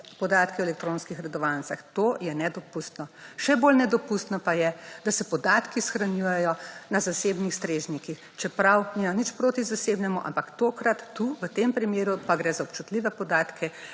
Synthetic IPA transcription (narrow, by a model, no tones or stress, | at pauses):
pɔd̪aːt̪kɛwɛlɛk̚t̪ɾoːnskixɾɛd̪ɔʋansaxt̪ojɛnɛd̪ɔpust̪nɔʃɛbolnɛd̪ɔpust̪nɔpajɛd̪asɛpɔd̪aːt̪kisxɾanjujɛjɔnazaseːbnixst̪ɾeːʒnikix | t͡ʃɛpɾawnimanit͡ʃpɾoːt̪izaseːbnɛmuʔa̰mpakt̪oːkɾat̪ːuʋət̪empɾimeːɾupaɡɾɛːzaɔpt͡ʃut̪liʋɛpɔd̪aːt̪kʰɛ